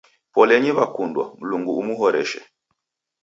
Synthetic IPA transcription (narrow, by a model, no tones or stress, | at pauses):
pɔlɛɲiβakundwa̰m̩luŋɡuːmuɦɔɾɛ̰ʃɛ̰